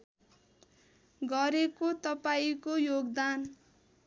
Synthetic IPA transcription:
ɡʌɾekot̪ʌpaikojoɡd̪an

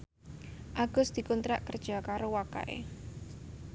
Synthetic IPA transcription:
ʔaɡ̥ʊ̤sd̪̥i̤kunt̪ɾaʔkərd̥ʒ̥a̤kaɾowaka̰ʔḛ

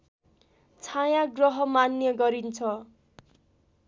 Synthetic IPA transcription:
t͡sʰajãɡrʌɦʌmanjʌɡʌɾint͡sʰʌ

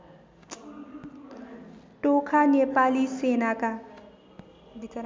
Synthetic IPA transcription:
ʈokʰanepalisenaka

